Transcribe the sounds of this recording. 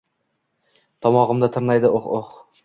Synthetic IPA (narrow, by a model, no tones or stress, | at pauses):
t̪ʰɒmɒʁɨmd̪at̪ʰɪɾnajd̪ɪʔoχoχ